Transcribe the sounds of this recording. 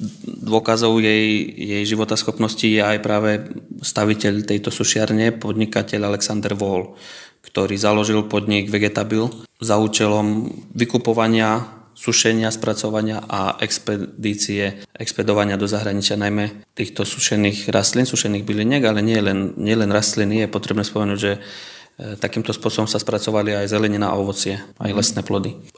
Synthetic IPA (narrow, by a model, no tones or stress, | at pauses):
d̪ʋɔkazɔʊjɛjjɛjʒiʋɔt̪asxɔpnɔscijɛajpɾaːʋɛst̪aʋicɛʎt̪ɛjt̪ɔsuʃɪaɾɲɛpɔd̪ɲikacɛʎalɛksand̪ɛɾʋɔl | kt̪ɔɾiːzalɔʒilpɔd̪ɲiɡʋɛɡɛt̪abilzauːt͡ʃɛlɔmʋikupɔʋaɲɪasuʃɛɲɪaspɾat͡sɔʋaɲɪaʔaʔɛkspɛd̪iːt͡siɛʔɛkspɛd̪ɔʋaɲɪad̪ɔzaɦɾaɲit͡ʃɪanajmɛt̪iːxt̪ɔsu̥ʃɛniːɣɾast̪linsuʃɛniːɣbiliɲɛɡalɛɲɪɛlɛnɲɪɛlɛnɾast̪linijɛpɔt̪ɾɛbnɛːspɔmɛnuːɟʒɛ | t̪akiːmt̪ɔspʊɔsɔbɔmsaspɾat͡sɔʋaliajzɛlɛɲina̰a̰ɔʋɔt͡sɪɛa̰jlɛsnɛːplɔd̪i